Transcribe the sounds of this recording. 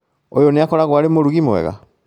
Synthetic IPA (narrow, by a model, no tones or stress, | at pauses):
ojoneakɔɾaɣwaɾemoɾuɣimoɛ̰ɣa̰